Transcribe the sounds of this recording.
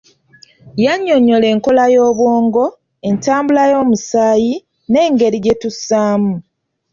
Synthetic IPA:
jaɲːoɲo̞le̞ːŋko̞lajo̞ːβwoːŋɡo̞ | e̞ntaːmbulajo̞ːmusaːji | ne̞ːŋɡe̞ɾiɟetusaːmu

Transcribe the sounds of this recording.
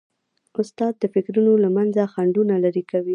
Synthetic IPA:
ʊst̪ɑd̪̚ːəfɪkɾunolamanzaxaɳɖunalaɾikawi

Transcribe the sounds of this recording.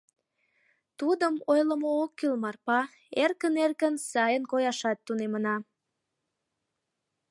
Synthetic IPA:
t̪ud̪əmojləmoːkːilmɑrpɑ | erkənerkənsɑjənkojɑʃɑt̪ːunemənɑ

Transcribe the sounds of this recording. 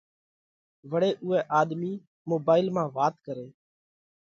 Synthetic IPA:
ʋəɽeːʔʊɛːʔaːɗ̪miː | moːbaːɪlmãːʋaːt̪kəɾeː

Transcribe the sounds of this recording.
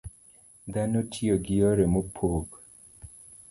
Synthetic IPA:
d̪anotʰioɡɪɔɾemopʰoɡ

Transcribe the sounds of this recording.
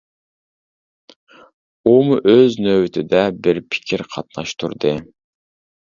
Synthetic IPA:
umʊʔøznøwt̪ʰɪd̪ɛbɪɾpʰɪ̥kʲʰiɾqʰɑt̪̚nɑʃt̪ʰuɾd̪ɨ

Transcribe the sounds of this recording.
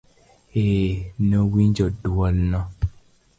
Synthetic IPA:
eːnowind͡ʒɔduɔlnɔ

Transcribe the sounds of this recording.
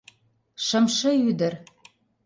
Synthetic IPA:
ʃɤ̆mʃɤ̆yd̪ə̆r

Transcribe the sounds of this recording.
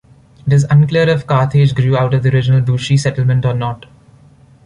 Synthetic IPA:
d̪ɪs̬ʌ̃nkliəɾɔʋkaːt̪ʰeːd͡ʒɡɾuːaʊʈɔʋd̪iəɾɪd͡ʒnəlbuːʃisɛʈəl̩mə̃ɳʈɔːɾnɔːʈ

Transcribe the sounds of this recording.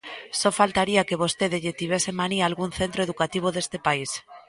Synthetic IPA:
sɔfalt̪aɾiakeβ̞ost̪eðeʎet̪iβesemaniaːlɣunθent̪ɾoeðukat̪iβ̞oðest̪epais

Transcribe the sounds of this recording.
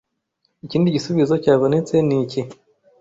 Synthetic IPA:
iciːndiɟisuβizo̞caːβo̞ne̞t͡se̞nici

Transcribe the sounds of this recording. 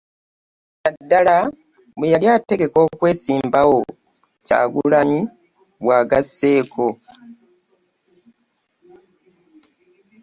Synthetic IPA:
adːala | mwejaljate̞ɡe̞ko̞ːkwe̞ːsiːmbawo | ca̰ːɡulaɲi | βwaːɡasːe̞ːkʰo

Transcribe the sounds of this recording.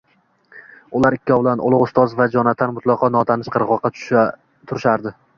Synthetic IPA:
ʊlaɾɪkʲʰːɒbɪlanʔʊ̰lˠʊqʊst̪ɒzvad͡ʒɒnat̪ʰːanmʊt̪lˠɒqɒnɒt̪ʰanɪʃqʰɨɾʁɒqʰːɑ̥ʃ | t̪ʰʊɾɪʃaɾd̪ɪ

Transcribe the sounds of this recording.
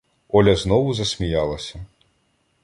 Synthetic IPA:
ɔlʲɐznɔwuzɐsʲmʲijalˠɐsʲɐ

